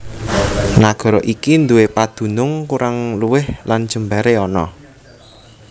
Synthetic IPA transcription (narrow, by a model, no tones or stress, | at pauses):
naɡ̥ɔ̤ɾɔʔikind̪uwepad̪̥ṳnʊŋkuɾaŋluwɪhland̥ʒ̥ə̤mbaɾeɔnɔ̰